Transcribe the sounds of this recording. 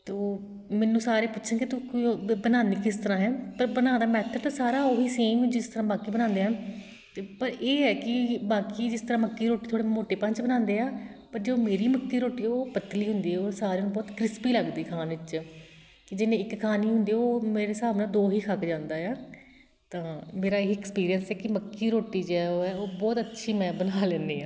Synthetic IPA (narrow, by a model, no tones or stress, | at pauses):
t̪oː | mɛːnũːsaːɾeːpʊtːʃʰãːkɪt̪ʊkːibənaːniːkɪst̪əɾãːɦɛːpəɾbənãːd̪aːmɛːt̪ʰət̪aːsaːɾaːoːiːseːmd͡ʒɪst̪əɾãːbaːkiːbənãːnd̪eːɛː | t̪ːpəɾeːɦɛːkɪbaːkiːd͡ʒɪst̪əɾãːməkːiːɾoːʈiːt̪ʰoːɽeːmoːʈeːpãnt͡ʃbənãːnd̪eːaːpəɾd͡ʒeːoːmeːɾiːməkːiːɾoːʈiːɛoːpət̪liːɦʊnd̪iːɛoːsaːɾeːnũːbɔːt̪kɾɪspiːləɡd̪iːkʰaːnʋɪt͡ʃ | kɪd͡ʒɪnẽːɪkkʰaːniːɦʊ̃nd̪iːoːmeːɾeːsaːʋnãːd̪oːɦiːkʰəkd͡ʒãːnd̪aːjaː | t̪ãːmeːɾaːɪkɛkspiːɾijənsɛːkɪməkːiːɾoːʈiːd͡ʒeɛːoːɛːoːbɔːt̪ətːʃʰiːmɛ̃ːbənaːlɛ̃ːnd̪eːãː